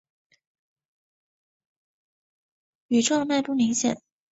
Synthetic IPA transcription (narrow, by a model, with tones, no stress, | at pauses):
y˨˩ʈ͡ʂɑ˥˧ŋma˥˧ɪpu˥˩mi˧˥ŋɕjɛ̰˨˩˦n